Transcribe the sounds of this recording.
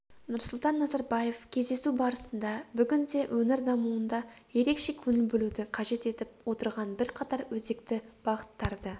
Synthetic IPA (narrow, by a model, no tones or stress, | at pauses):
nʊɾsʊlˠt̪ɑnːɑzɑɾbɑje̞fkʲʰe̞zd̪e̞subɑɾəsənd̪ɑbʏɡʲɪnd̪e̞wʔɵnɪɾd̪ɑmuənd̪ɑje̞ɾe̞kʃe̞kʲʰɵnɪlbɪlud̪ɪqʰɑʒe̞t̪e̞t̪ɪp̚wot̪əɾʁɑnbɪɾqʰɑt̪ɑɾwɵze̞kt̪ɪb̥ɑʁət̪ːɑɾd̪ə